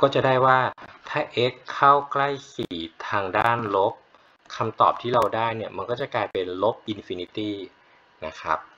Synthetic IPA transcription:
kɔː˥˩t͡ɕa˨˩daː˥˩jwaː˥˩t̪ʰaː˥˩ʔe˦˥kʰːa˥˩wkla˥˩jkiː˨˩t̪ʰaː˧ŋdaː˥˩nlo˦˥p̚ | kʰa˧mt̪ɔ̰ː˨˩p̚t̪ʰiː˥˩ɾa˧wdaː˥˩jni˥˩ɐma˧nkɔː˥˩t͡ɕa˨˩kaː˧jpe˧nlo˦˥p̚ʔi˧nfi˧ni˦˥t̪iː˥˩ | na˦˥kʰɾa̰˦˥p̚

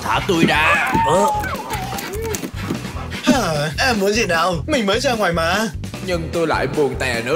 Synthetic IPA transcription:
t̪ʰaː˧˩t̪u˧jɗaː˧ʔəː˧˩˧ | haː˨˩ʔɛ˧mːu˨˦ənzḭ˧˨naː˨˧˩wmï˨˩ŋ̟məː˨˦jzaː˧ŋwaː˨˩jmaː˨˦ | ɲɨ˧ŋt̪o˧jla̰ː˧˨jɓu˨˩əŋt̪ɛ˨˩nɨ̰˧˦˥

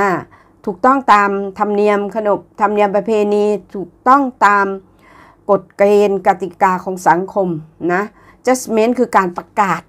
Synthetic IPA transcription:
a˧˥˩ | t̪ʰuː˨˩k̚t̪ɔ˥˩ŋt̪aː˧mt̪ʰa˧mni˧əmkʰa˧no˨˩p̚t̪ʰa˧mni˧əmpɾa˧pʰeː˧niː˧t̪ʰuː˨˩k̚t̪ɔ˥˩ŋt̪aː˧m | ko˨˩t̪̚kleː˧nka˧˩t̪i˨˩kaː˧kʰɔː˩˦ŋsa˩˦ŋkʰo˧mna˦˥ | t͡ɕa˦˥˩sme˦˥nkʰɯː˧kaː˧npa˧kaː˨˩t̪̚

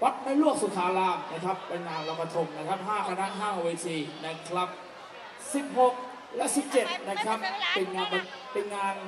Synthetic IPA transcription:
wa˦˥t̪̚na˧jlu˥˩ək̚su˨˩k̪ʰːaː˨˦laː˧˩ŋna˦˥kʰɾa˦˥pːe˧nŋaː˧nɾa˦˥pʰːa˧t̪ʰo˧mna˦˥kʰa˦˥p̚ɦaː˥˩kʰa˧naː˦˥˩nɦaː˥˩weː˧sʰiː˧˨˩na˦˥kʰɾa˦˥p̚ | si˨˩p̚ho˨˩k̚ | lɛ˦˥ʔsi˨˩p̚t͡ɕe˨˩t̪̚na˦˥kʰɾa˦˥p̚pe˧nŋaː˧npa˧ | pe˧nŋaː˧n

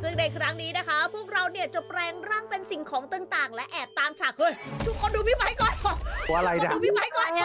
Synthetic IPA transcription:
sɯ˥˩ŋna˧jkʰɾa˦˥ŋniː˦˥na˦˥kʰa˦˥pʰuː˥˩ək̚ɾa˧wni˥˩ɐt͡ɕa˨˩pɾɛː˧ŋɾaː˥˩ŋpe˧nsi˨˩ŋkʰɔː˩˦ŋt̪ɯ˧ŋt̪aː˨˩ŋlɛ˦˥ʔɛː˨˩p̚t̪aː˧mt͡ɕʰaː˨˩k̚ʰɤː˧˩t̪ʰu˦˥kʰːo˧nduː˧mi˦˥ba˧˩jkɔː˨˩nɔː˨˩a˧ɾa˧jna˧dːmi˦˥ba˧˥jkɔː˨˩n˦˥

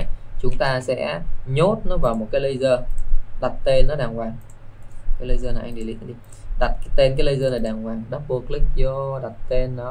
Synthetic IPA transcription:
jt͡ɕʊ˨˦ŋ͡mt̪aː˧sɛ̰˧˥ɲo˦˥t̚nɔ˨˦vaː˨˩wmo˨˩t̚kaː˨˦jlə˧jzəː˧ɗa˨˩t̚t̪e˧nːɔ˨˦ɗaː˨˩ŋkwaː˨˩ŋ | kaː˨˦jlə˨˧jzəː˧naː˨˩ʔa˧ŋ̟ɗi˧˩lḭ˧˦ki˧ | ɗa˨˩t̚kːt̪e˧nk̬aː˨˦jlə˧jzəː˧naː˨˩jɗaː˨˩ŋkwaː˨˩ŋɗa˨˦˥k̚ɓu˧˩ək̚li˦˥k̚zɔ˧ɗa˨˩t̚t̪e˧nːɔ˨˦

